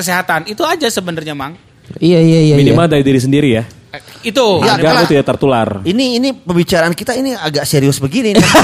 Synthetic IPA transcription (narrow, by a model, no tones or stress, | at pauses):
əseɦat̪anit̪uad͡ʒasəbənərɲamaŋ | ijaijaijaiimadaidiɾis̬əndiɾija | it̪ujaɡakot̪idaʔt̪ərt̪ula̰riniːnipəmbit͡ʃaɾaankit̪ainiaɡaʔseɾiʊsbəɡini